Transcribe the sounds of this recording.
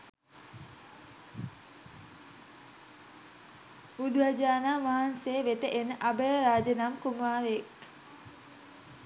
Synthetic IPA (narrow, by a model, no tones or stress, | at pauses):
ud̪ʋad͡ʒaːnaːʋaɦanseːʋet̪əʔenəʔabəəɾaːd͡ʒənamkumaːɾeek